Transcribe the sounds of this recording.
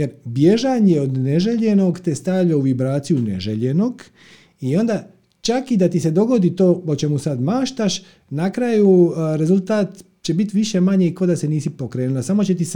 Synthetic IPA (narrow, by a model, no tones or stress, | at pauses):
jeɾbje̞ʒaɲeod̪neʒeʎe̞no̞ɡt̪est̪aːvʎouʋibɾaːt̪sijunḛʒeʎeno̞ɡ | io̞nd̪a | t͡ʃakid̪at̪ise̞d̪o̞ɡo̞d̪it̪o̞ːot͡ʃe̞musad̪maːʃt̪aʃ | nakɾajuɾe̞zulˠt̪aːt̪ | t͡ɕe̞bit̪ʋiʃemaɲeiko̞d̪ase̞niːsipo̞kɾe̞ːnulasamo̞t͡ɕe̞t̪is